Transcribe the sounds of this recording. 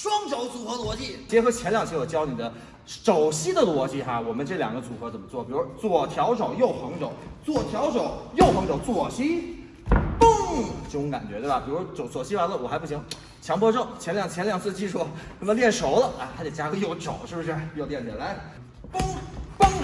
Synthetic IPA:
ʂwɑ˥ŋʈ͡ʂo˧˥ʊt͡su˨˩xɤ˧˥lwɔ˧˥t͡ɕi˥˩t͡ɕjɛ˧˥xɤ˧˥t͡ɕʰjɛ˧˥nljɑ˨˩ŋt͡ɕʰɔ˨˩t͡ɕjɑ˥ʊni˨˩d̪ə˦ | ʂo˨˩ʊɕi˥d̪ə˨lwɔ˧˥t͡ɕi˥˩xa˩wɔ˨˩mə˦nʈ͡ʂɤ˥˩ljɑ̰˨˩ŋɡə˦t͡su˨˩xɤ˧˥t͡sə˨˩mə˦t͡swɔ˥˩pi˨˩ɻu˦˥t͡swɔ˥˩t̪ʰjɑ˧˥ʊʂo˨˩ʊjo˥˩ʊxɤ˧˥ŋʈ͡ʂo˨˩˦ʊt͡swɔ˥˩t̪ʰjɑ˧˥ʊʂo˨˩˦ʊjo˥˩ʊxɤ˧˥ŋʈ͡ʂo˨˩ʊt͡swɔ˥˩ɕi˥ | pɤ˥˩ŋt͡ɕʊ˧˥ŋka̰˨˩nt͡ɕɥɛ˧˥t̪we˥˩ba˨˩pi˨˩ɻu˧˦ʂʈ͡ʂo˨˧˩ʊt͡swɔ˨˩ɕi˥a˧˥lə˧˩wɔ˨˩xa˧˥p̬u˥˩ɕ̬i˧˥ŋ | t͡ɕʰjɑ˧˥ŋpɔ˥ʈ͡ʂo˥˩ʊt͡ɕʰjɛ˧˥nljɑ˨˩ŋt͡ɕʰjɛ˧˥nljɑ˨˩ŋt͡s̩ʰ˥˧t͡ɕi˥˧ʂu˥˩kə˧˥nə˧˥ljɛ˥˩nʂo˧˥ʊlə˨ʔa˧˥˩t̪ʰa˥t̪e˨˩t͡ɕja˥kɤ˧˥jo˧˥ʊʈ͡ʂo˨˩˦ʊʂɻ̩˥˩bu˩ʂɻ̩˥˩˧jo˧ʊljɛ˥˩nt͡sɛ̰˨˩la˧˥ɪ | pŋpɤ˥ŋ

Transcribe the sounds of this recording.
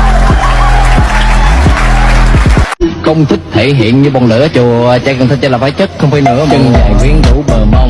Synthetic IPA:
xə˧wŋ͡mt̪ʰi˦˥k̚t̪ʰe˧˨ɦḭ˧˨ənɲɨ˧ɓɔ˨˩nɨ̰˧˥ət͡ɕu˨˩ə˩t͡ɕa̰ː˧˥kə˨˩t̪ʰə˧t͡ɕa˧˩laː˨˩faː˨˦jt͡ɕə˦˥t̚xə˧wŋ͡mfa˧jnɨ̰˧˥ət͡ɕə˧nŋaː˨˩jŋwi˨˦ənɗu˧˥ɓəː˨˩ma˧wŋ͡m

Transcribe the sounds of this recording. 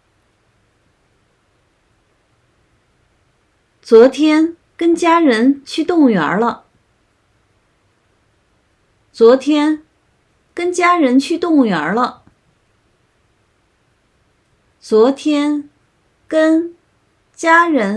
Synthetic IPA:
t͡swɔ˧˥t̪ʰjɛ˥n | kə˥nt͡ɕja˥ɻə˧˥nt͡ɕʰy˥˧t̪ʊ˥˩ŋɥə̰˧˥lə˧ | t͡swɔ˧˥t̪ʰjɛ˥n | kə˥nt͡ɕja˥ɻə˧˥nt͡ɕʰy˥˧t̪ʊ˥˩ŋɥə˧˥lə˧ | t͡swɔ˧˥t̪ʰjɛ˥n | kə˥n | t͡ɕja˥ɻə˧˥

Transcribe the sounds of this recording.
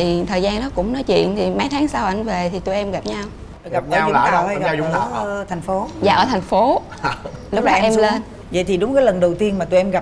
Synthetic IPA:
i˨˩t̪ʰəː˨˩jzaː˧nɗɔ˨˦kʊ̰˧˥ŋ͡mnɔ˨˦jt͡ɕwḭ˧˨ənt̪ʰi˨˩ma˨˦jt̪ʰaː˨˦ŋsaː˧wʔa˧˩jŋ̟ve˨˩t̪ʰi˨˩t̪u˧˩jʔɛ˧mɣa˨˩p̚ɲa˧w | ɣa˨˩p̪̚əː˨˦ɨ˨˦˧ɔ˨˦˧ɣːt̪ʰɛ˨˩jŋ̟fo˨˦za̰ː˧˨ʔəː˧˩t̪ʰa˨˩jŋ̟fo˨˦ | lʊ˦˥k͡p̚ɗɔ˨˦˧ʔɛ˧mle˧n | və̰˧˨jt̪ʰi˨˩ɗʊ˨˦ŋ͡mkaː˨˦jlə˨˩nɗə˨˩wt̪i˧ənmaː˨˩u˧jʔɛ˧mɣa˨˩p̚

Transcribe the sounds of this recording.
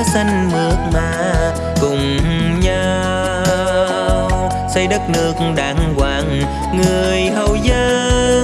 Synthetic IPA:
sa˧ŋmɨ˨˩ək̚maː˨˩ | kʊ˨˩ŋ͡mɲa˧ | sə˧jɗə˦˥t̚nɨ˦˥ək̩̚ɗaː˨˩ŋkwaː˨˩ŋ | ŋɨ˨˩əəjɦə˨˧˩wzəː˧

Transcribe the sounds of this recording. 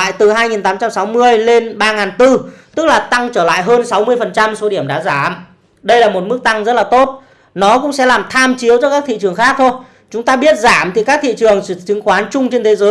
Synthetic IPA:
a̰ː˧˨jt̪ɨ˨˩ɦaː˧jŋi˨˩nt̪aː˨˦mt͡ɕa˧msa˨˦wmɨ˧əjle˧nɓaː˧ŋaː˨˩nt̪ɨ˧t̪ɨ˦˥k̚laː˨˩t̪a˧ŋt͡ɕəː˧˩la̰ː˧˨jɦəː˧nsa˨˦wmɨ˧əjfə˨˩nt͡ɕa˧mso˨˦ɗi˧˩əmɗa̰ː˧˥zaː˧˩m | ɗə˧jlaː˨˩mo˨˩t̚mɨ˦˥k̚t̪a˧ŋzə˦˥t̚laː˨˩t̪o˦˥t̚ | nɔ˨˦kʊ̰˧˥ŋ͡msɛ̰˧˥laː˨˩mt̪ʰaː˧mt͡ɕi˨˦əwt͡ɕɔ˧kaː˦˥k̚t̪ḭ˧˨t͡ɕɨ˨˩əŋxaː˦˥k̚t̪ʰo˧j | t͡ɕʊ˨˦ŋ͡mt̪aː˧ɓi˦˥ət̚zaː˧˩mt̪ʰi˨˩kaː˦˥k̚t̪ʰḭ˧˨t͡ɕɨ˨˩əŋt͡ɕt͡ɕɨ˨˦ŋxwaː˨˦nt͡ɕʊ˧ŋ͡mt͡ɕe˧nt̪ʰe˨˦zəː˨˦j

